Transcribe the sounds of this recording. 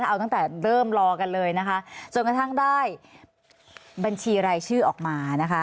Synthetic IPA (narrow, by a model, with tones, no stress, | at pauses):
ʔa˧wt̪a˥˩ŋt̪ɛː˨˩ɾɤː˥˩mɾɔː˧ka˧nlɤː˧jna˦˥kʰa˦˥t͡ɕo˧nka˧t̪ʰa˥˩ŋdaː˥˩j | ba˧nt͡ɕʰiː˧ɾaː˧jt͡ɕʰɯː˥˩ʔɔː˨˩k̚maː˧na˦˥kʰa˦˥